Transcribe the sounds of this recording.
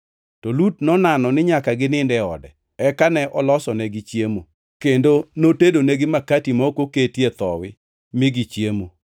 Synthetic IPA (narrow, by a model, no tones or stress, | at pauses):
tɔlutnɔnanɔnɪɲakaɡɪnɪndɛɔ̰dɛ̰ | ɛkanɛʔɔlɔsɔnɛɡɪt͡ʃjemo | kendonotedonɛɡɪmakatimɔkoketjet̪ɔwɪ | mɪɡɪt͡ʃjemo